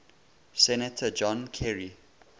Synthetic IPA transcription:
sɛnətʰəd͡ʒɔ̃nkʰɛɹi

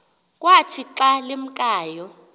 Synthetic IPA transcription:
kʼwatʰiǁalem̩kʼaːjɔ

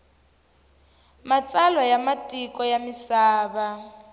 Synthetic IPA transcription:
mat͡sʼalwajamatʼikʼɔjamisaːβa

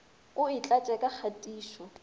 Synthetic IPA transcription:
ʊit͡ɬʼat͡ʃʼɛkʼak͡xʰatʼiːʃɔ

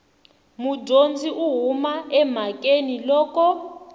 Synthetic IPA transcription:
mud͡ʒʱond͡ziʔuɦumaɛm̤akʼenilɔːkɔ

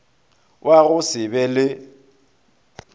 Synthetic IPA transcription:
wʔaɣʊsɪbɛlɪ

